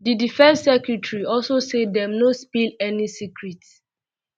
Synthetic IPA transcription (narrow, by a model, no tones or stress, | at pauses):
didifɛ̃nsːɛkjutɹiɔlsosedɛmnospilɛnisikɹits